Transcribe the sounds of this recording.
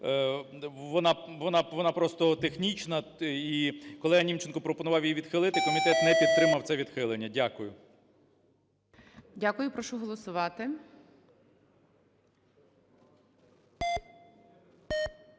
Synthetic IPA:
ʋɔnɑʋɔnɑʋɔnɑpɾɔst̪ɔt̪exnʲit͡ʃnɐikɔlˠɛɐnʲimt͡ʃenkɔpɾɔpɔnʊʋɑwjiʋʲid̪xɪlˠɪt̪ɪkɔmʲit̪ɛt̪nɛpʲid̪̚t̪ːɾɪmɐwt̪sɛʋʲid̪xɪlˠenʲːɐdʲakʊjʊ | dʲakʊjʊpɾɔʃɔɦɔlˠɔsʊʋɑt̪ɪ

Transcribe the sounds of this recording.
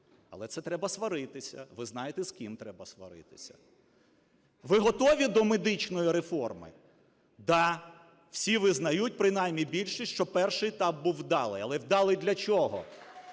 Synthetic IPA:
ɐ̰lˠɛt̪sɛt̪ɾɛbɐsʋɐɾɪt̪ɪsʲɐ̰ʋɪznɑjet̪ɛskʲimt̪ɾɛbɐsʋɐ̰ɾɪ̰t̪ɪ̥sʲɐ̥̰ | ʋɪɦɔt̪ɔʋʲid̪ɔmed̪ɪt͡ʃnɔjiɾefɔrmɪ̰ | d̪ɑ | w̥sʲiʋɪznɐjut̚ʲpɾɪn̪ɑjmʲːibʲilʲʃiʃt͡ʃɔpɛrʃɪjɪt̪ɑp̚buwd̪ɑlˠɪ̰jɐlˠɛwd̪ɑlˠɪd̪lʲɐt͡ʃɔɦɔ̰

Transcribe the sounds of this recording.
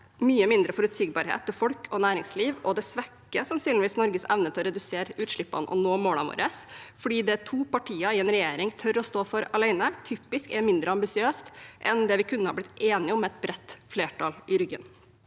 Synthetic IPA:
myːəmɪnd̪ɾəfɔɾʉt̪sɪɡ̚bɑːɾɦḛːt̪ʰːɪlfɔlkʰɔnæːɾɪŋsliːʋɔd̪ɛsʋɛkːəsɑmsyːnlɪʋiːsnɔɾɡəsɛʋnət̪ʰɪlɔɾɛd̪ʉseːɾʉːt̪ʂɭɪpːɑ̰nʔɔ̰noːmoːlɑʋo̰ːɾəsfɔɖiːd̪ɛt̪ʰuːpɑʈʰiːɑɪɛnɾɛjeːɾɪŋt̪ʰœɾɔst̪oːfɔɾɑlæɪnət̪ʰyːpɪskɛɾmɪnd̪ɾəɑmbɪsɪøːst̪ʔɛnd̪ɛʋɪkʰʉnːəhɑɾblɪt̪eːnɪɔmːɛt̪̚bɾɛt̪ːfleːʈʰɑlɪɾʏɡə̰n

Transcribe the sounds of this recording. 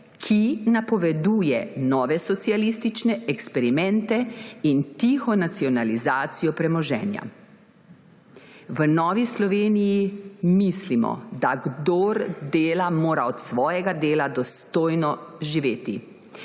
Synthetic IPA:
kʰinapɔʋɛd̪uːjɛnɔːʋɛsɔt̪sialist̪it͡ʃnɛɛkspɛɾimɛ̃nt̪ɛint̪ixɔnat̪siɔnalizaːt̪sijɔpɾɛmɔʒɛ̰ːnja̰ | ʋənɔːʋislɔʋeːnijimislimɔ̰d̪aɡd̪oːɾd̪eːlamoːɾaɔt̪sʋɔːjɛɡad̪eːlad̪ɔst̪oːjnɔʒiʋeːt̪i

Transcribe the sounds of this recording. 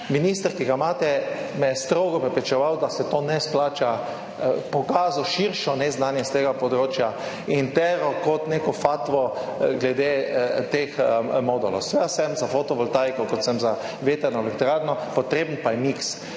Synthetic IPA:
minist̪əɾkiɡamaːt̪ɛmɛjɛst̪ɾoɡɔpɾɛpɾɛt͡ʃɛʋawd̪asɛt̪oːnɛsplaːt͡ʃa | pɔkaːzɔʃiɾʃɔnɛznaːnjɛst̪eːɡapɔd̪ɾoːt͡ʃja | int̪ɛɾɔkɔt̪neːkɔfat̪ʋɔɡlɛd̪et̪exmod̪ɔlɔ̰wsʋɛsɛmzafɔt̪ɔʋɔlt̪ajkɔkɔt̪sɛmza | ʋet̪ɛɾnɔɛlɛkt̪ɾaɾnɔpɔt̪ɾeːbənpajɛmiks

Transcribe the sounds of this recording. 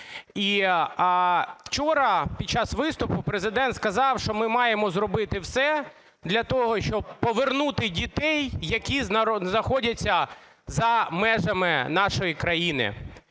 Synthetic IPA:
i | w̥t͡ʃɔɾɐpʲid̚ʲt͡ʃɑsʋɪst̪ʊpʊpɾezɪd̪ɛnt̪skɐzɑwʃt͡ʃɔmɪmɑjemɔzrɔbɪt̪ɪwsɛ | d̪lʲɐt̪ɔɦɔʃt͡ʃɔb̚pɔʋernut̪ɪdʲit̪ɛjːɐkʲiznɐznɐxɔdʲɐt͡sʲːɐ | zɐmɛʒɐmɪnɑʃɔjikɾɐjinɪ̰

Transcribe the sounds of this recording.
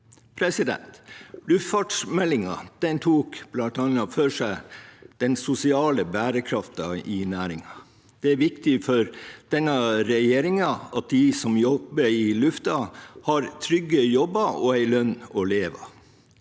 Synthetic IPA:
pʰɾɛsɪd̪ɛ̰nt̪lʉft̪fɑːʈʂmɛlːɪŋɑ̰d̪̥ɛnt̪ʰuːkb̥lɑnt̪ɑnɑføʂæɪd̪̥ɛnsʊsɪɑːləbæːɾəkʰɾɑft̪ɑɪnæːɾɪŋɑ | d̪̥ɛæɾʋɪkt̪ɪfɔɾd̪̥ɛnːɑɾɛjeːɾɪŋɑɑt̪̚d̪ɪsɔmjɔbəɪlʉft̪ɑhɑɾt̪ʰɾʏɡːəjɔbːɑɔæɪlœnːɔleːʋɑ̰

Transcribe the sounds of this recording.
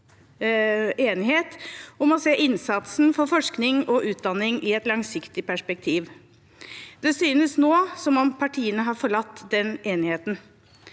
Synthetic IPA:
eːnɪheːt̪ɔmɔseːʔɪnsɑt̪sn̩fɔɾfɔʂknɪŋɔʔʉːt̪̚d̪ɑnːɪŋɪɛt̪lɑŋsɪkt̪ɪpʰæʂpɛk̚t̪ʰiːʋ | d̪ɛsyːnəsnoːsɔmɔmpʰɑʈʰiːənəɦɑɾfɔɭɑt̪ːd̪ɛneːnɪheːt̪n

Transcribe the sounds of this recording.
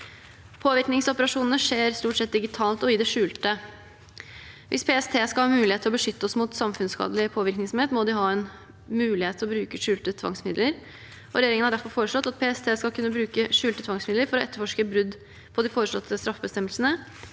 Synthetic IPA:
pʰoːʋɪɾknɪŋsɔpəɾɑʂuːnn̩əʂeːɾst̪uːʈsɛt̪̚d̪ɪɡɪt̪ʰɑːlt̪ɔɪd̪ɛʂʉːlt̪ə | ʋʔɪ̰spʰeɛst̪ʰeːskɑlhɑːmʉːlɪheːt̪ʰːɪlɔbəʂʏt̪ːəɔsmuːt̪sɑmfʉnskɑ̰ːd̪əlɪpʰoːʋɪɾknɪŋsɔmheːt̪mɔd̪ɪɦɑːɛn | mʉːlɪheːt̪ʰːɪlɔbɾʉːkəʂʉːlt̪ət̪ʰʋɑ̰ŋsmɪd̪ləɾ | ɔɾɛjeːɾɪŋənhɑɖæɾfɔɾfoːɾəʂlɔt̪ːɑt̪̚pʰeːɛst̪ʰeːskɑlkʉnːəbɾʉːkəʂʉːlt̪ət̪ʰʋɑŋsmɪd̪ləɾfɔɾɔɛt̪ːəɾfɔʂkəbɾʉd̪ | pʰɔd̪ɪfoːɾəʂlɔ̰t̪ʰːəst̪ɾɑfəbəst̪ɛmːəlsənə

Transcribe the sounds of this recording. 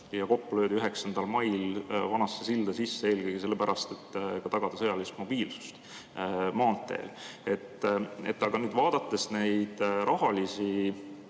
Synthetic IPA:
jɑko̞pːulø̞ːd̪iyɦe̞ksɑnd̪̥ɑlmɑjlvɑnɑsːesild̪̥ɑsisːeeːlkɤjɡ̥ise̞lːe̞pæɾʔɑst̪e̞t̪ːkɑt̪ɑɡ̥ɑd̪̥ɑsɤjɑlist̪mo̞b̥iːlsu̥st̪ | mɑːnt̪ːˑe̞̰ːle̞t̪ːe̞̰t̪ːˑɑɡ̥ɑnyːd̪vɑːd̪̥ɑt̪ːˑesne̞jd̪̥ɾʔɑɦɑlisi

